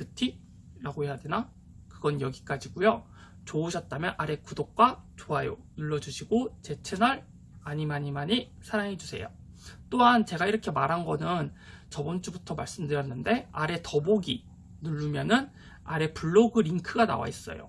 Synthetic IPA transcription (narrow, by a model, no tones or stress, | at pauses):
kɯtʰi | ɾaɡoɦe̞jadena | kɯɡʌnjʌɡik͈ad͡ʑiɡ̥ujo | t͡ɕouɕʰʌt̚t͈amjʌnʔaɾe̞kudok̚k͈wat͡ɕoɦajo̰ | iɭːʌd͡ʑuɕʰiɡot͡ɕe̞t͡ɕʰenʌɾ | aɲimaɲimaɲi | sʰaɾaŋɦe̞d͡ʑusʰe̞̰jo̰ | t͈oɦant͡ɕe̞ɡaiɾʌkʰe̞maɾɦanɡʌnɯn | t͡ɕʌbʌnt͡ɕ͈ubutʰʌmaɭs͈ɯmdɯɾjʌnːɯnde̞aɾe̞tʌboɡi | nuɭːumjʌnɯn | aɾe̞puɭːoɡɯɾiŋkʰɯɡana̰wa̰is͈ʌ̰jo̰